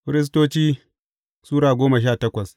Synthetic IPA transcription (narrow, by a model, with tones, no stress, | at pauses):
ɸɪ˦ɾɪ˦s̬toː˦t͡ʃiː˦ | suː˦ɾaː˨ɡʷoː˦mɐ˨ʃ̬aː˦˨tɐ˦kʷɐ˨s